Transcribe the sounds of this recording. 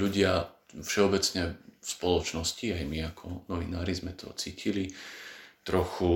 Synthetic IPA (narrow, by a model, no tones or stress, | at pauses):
luɟɪa | fʃɛɔbɛt͡sɲɛfspɔlɔt͡ʃnɔsciajmiakʰɔnɔʋḭnaːɾizmɛt̪ʰɔ̰t͡siːcʰili | t̪ɾɔxu